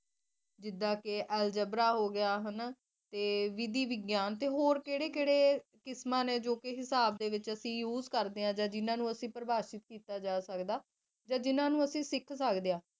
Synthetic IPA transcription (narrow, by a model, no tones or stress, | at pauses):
d͡ʒɪd̪ːãːkeʔɛːld͡ʒəbɾaːɦoːɡɪjaːɦən | t̪eːʋɪd̪iːʋɪɡjaːnt̪eːɦoːɾkeːɽeːkeːɽeːkɪsmãːnẽːd͡ʒoːkeɦɪsaːb̚d̪eːʋɪt͡ʃəsĩːjuːzkəɾd̪eːãːd͡ʒãːd͡ʒɪnãːnũːəsĩːpəɾəbaːʃɪt̪̚kiːt̪aːd͡ʒaːsəkd̪aː | d͡ʒãːd͡ʒɪnãːnũːəsĩːsɪkʰsəkd̪eãː